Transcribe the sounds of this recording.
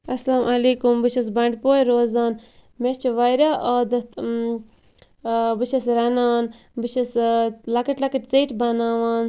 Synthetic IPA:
ɐslaːmʔɐleːkumbɨʃɐs̬bɐɳɖpoːjɾoːzaːnmest͡ʃʰiʋɐjɾaʔɐːd̪ | bɨʃɐsɾɐnaːn | bɨʃɐslɐkɐʈlɐkɐʈt͡siːʈbɐnaːʋaːn

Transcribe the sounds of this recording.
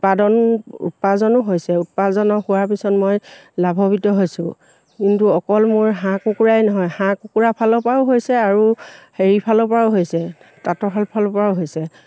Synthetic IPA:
padɔnṵt̚pazɔnʊɦojsɛut̚pazɔnɔhuwaɹpisɔtmɔjlabʱɔbitɔɦojsʊ̃ | kintuɔkɔlmʊɹɦãkukuɹajnɔɦɔjhãkukuɹapʰalɔpaʊɦojsɛaɹuheɹipʰalɔpaʊɦojsɛ | tatɔpʰalpʰalɔpaɹʊɦojsɛ

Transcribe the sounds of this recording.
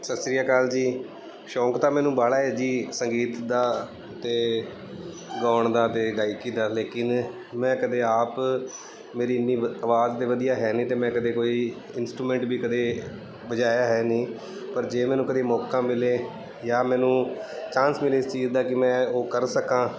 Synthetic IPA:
səsɾijaːkaːld͡ʒiː | ʃɔːkt̪aːmɛ̃ːnũːbaːlaːɛːd͡ʒiːsəŋɡiːt̪d̪aː | t̪eː | ɡaːɳd̪aːt̪eːɖaːɪkĩːd̪aːleːkɪn | mɛ̃ːkəd̪eːaːp | meːɾiːɪnːiːəʋaːzd̪eːʋəd̪ijaːɦɛːnĩːt̪eːmɛ̃ːkəd̪eːkoːiː | ɪnsʈɾuːmɛ̃ːɳʈbʱiːkəd̪eː | bəd͡ʒaːjaːɦɛːnĩː | pəɾd͡ʒeːmɛ̃ːnũːkəd̪eːmɔːkãːmɪleː | jaːmɛ̃ːnũːt͡ʃãːnsmɪleːɪst͡ʃiːzd̪aːkɪmɛ̃ːoːkəɾsəkãː

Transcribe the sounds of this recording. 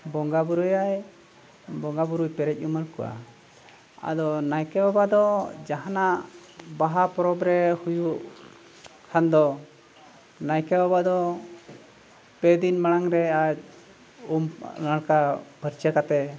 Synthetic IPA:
bɔŋɡabuɾujaj | bɔŋɡabuɾujpɛɾɛc̚uməɽkɔ̰ʔa̰ | a̰d̪ɔnajkɛbabad̪ɔd͡ʒaɦanaʔbaɦapɔɾɔbɾɛhujuʔ | kʰand̪ɔ | najkɛbabad̪ɔ | pɛd̪inmaɽ̃aŋɾɛac̚ | umnaɽkapəɾt͡ʃəkat̪ɛ

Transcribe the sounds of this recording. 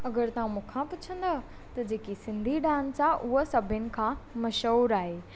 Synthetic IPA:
ɐɡəɾt̪ɐũmũːkʰãpʊt͡ɕʰə̃nd̪a | t̪ɐd͡ʑeːkisɪ̃nd̪ʱiɖãːnsaːʔʊɦosɐbʱɪnɪ̆kʰãmɐʃuɾaːɦeː

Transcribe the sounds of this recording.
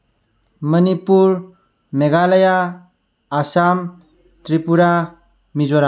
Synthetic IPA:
mənipuɾ | meɡaləjaː | sam | tɾipuɾa | mizɔɾa

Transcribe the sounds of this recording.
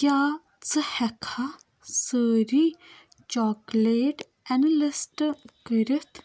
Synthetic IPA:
kjaː | t͡sɨhɛkʰa | səːɾi | t͡ʃɔːkleːʈ | ɛnɐlɪsʈkəɾɪt̪ʰ

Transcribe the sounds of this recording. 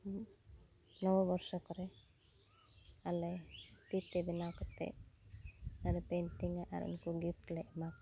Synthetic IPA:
nɔwɔbɔɾsɔkɔɾe | alet̪it̪ːebinawkɔt̪ḛ | aɾepenʈiŋaʔa̰ɾṵnkuɡipʈleʔmak̚

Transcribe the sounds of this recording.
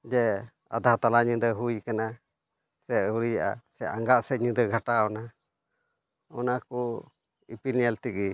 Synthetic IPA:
d͡ʒɛ | a̰d̪at̪alaɲid̪əɦujkana | sɛʔuɾijaʔa̰sɛaŋɡaʔsɛɲid̪əɡʱaʈaɔna | ɔnaku | ḭpinɛlt̪iki

